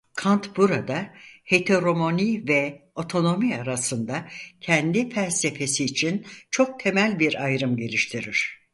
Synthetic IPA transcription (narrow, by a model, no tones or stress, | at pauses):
kʰant̪buɾad̪ahe̞t̪ʰeɾo̞monivɛo̞t̪ʰo̞no̞miaɾasɯnd̪acʰɛnd̪ifælʲse̞fe̞siːt͡ʃʰint͡ʃʰo̞k̚t̪ʰe̞mælʲbiɾajɾɯmɟe̞lʲiʃt̪ʰiɾiɾ̝̥